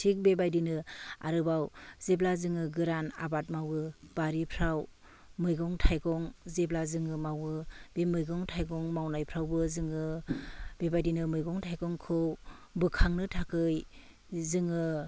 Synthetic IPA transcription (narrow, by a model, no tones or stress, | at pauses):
tʰik̚bebajdinɯa̰ɾɯbawzeplazɯŋɯɡɯɾana̰bat̚mawɯb̥aɾipʰɾaw | mɯjɡɔŋtʰajɡɔŋzeplazɯŋɯmawɯbemɯjɡɔŋtʰajɡɔŋmawnajpʰɾawbɯzɯŋɯ | b̥ebajdinɯmɯjɡɔŋtʰajɡɔŋkʰɯw | bɯkʰaŋnɯtʰakɯj | zɯŋɯ